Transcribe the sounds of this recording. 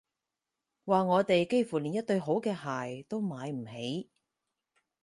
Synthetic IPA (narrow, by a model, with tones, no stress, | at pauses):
waː˨˧ŋɔː˨˧t̪e˨jke˥jfu˨˩liː˨˩njɐ˥t̚t̪ɵ˧ɥɦo˨˥wkɛː˧haː˨˩jt̪o˥wmaː˨˧jm̩˨˩he˨˥j